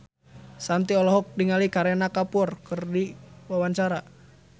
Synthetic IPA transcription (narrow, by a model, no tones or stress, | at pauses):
sant̪iɔlɔɦɔk̚diŋalikaɾɛnakapʊrkərdiwawaɲt͡ʃaɾa